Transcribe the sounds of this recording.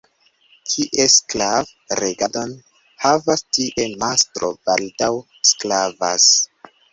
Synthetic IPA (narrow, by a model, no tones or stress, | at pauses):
kʰiʔesklav | ɾeɡado̞n | havastiʔe̞mastɾo̞̰b̥aldaw | sklavas